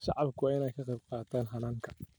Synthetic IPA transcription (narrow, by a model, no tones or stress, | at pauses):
ʃɑ̰ʕɑbkʰʊwaːɪnɛjkʰɑqɑjb̚qɑːt̪ʰaːnɦɐnaːŋkʰɐ̥